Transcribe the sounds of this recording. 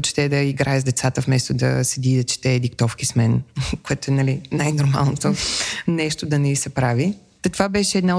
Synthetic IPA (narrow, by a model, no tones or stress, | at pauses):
t͡ʃɛ̥t̪ɛd̪ɐiɡɾaɛzd̪ɛt̪sat̪əfmɛst̪od̪ɐ̰sɛd̪id̪ɐt͡ʃɛ̥t̪ɛːd̪ikt̪ɔfkismɛnkoɛt̪oɛnɐlinajnoɾma̰lˠnot̪onɛʃt̪od̪ɐnɛisɛpɾavi | t̪ɐt̪ovabɛʃɛɛːd̪na